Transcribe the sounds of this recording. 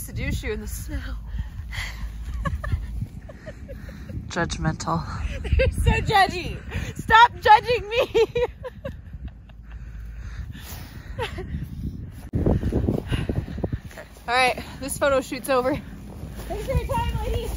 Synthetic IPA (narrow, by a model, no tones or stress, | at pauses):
sɨdʉʃjəɨ̃nðɨsmɛlˠ | d͡ʒʌd͡ʒmɛ̃ntʰl̩ˠ | soʊd͡ʒɛd͡ʒistɑp̚d̥ʒ̥ʌd͡ʒɪ̃ŋmi | kʰ | ɔlˠɹaɪt̚ðɪsfoʊɾoʊʃʉtsoʊvə˞ | ɪ̃zətʰaɪɪ̃ŋleɪɾi